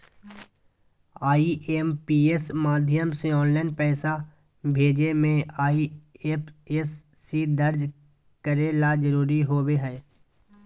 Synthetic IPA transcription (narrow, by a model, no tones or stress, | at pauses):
aːiʔempiːesmaːd̪ʱjəmseɔːnlaːnpɛːsa | bʱeːd͡ʒemẽaːiepesː | id̪əɾd͡ʒ | kəɾelad͡ʒəɾuːɾiɦoːweɦɛː